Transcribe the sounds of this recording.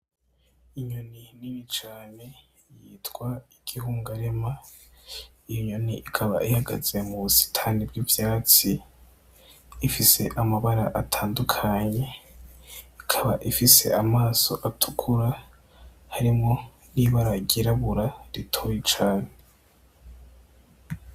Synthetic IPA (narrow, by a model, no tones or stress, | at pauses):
iɲoniniɾit͡ʃaːne̞ | jiːtɡwaiɡ̥ihuːŋɡaɾema | ijoɲo̞niʔikʰaβa̰ʔihaɡa̰z̥e̞muβusi̥tʰanibɡivjaːt͡si | fise̞ʔamaβaɾaʔatʰaːndukʰaɲe̞ | ikʰaβaʔifise̞̰ʔamaːso̞ʔatʰu̥kʰuɾa | haɾimŋo̞ | niβaɾaɟiɾaβuɾaɾitʰoːjit͡ʃaːnee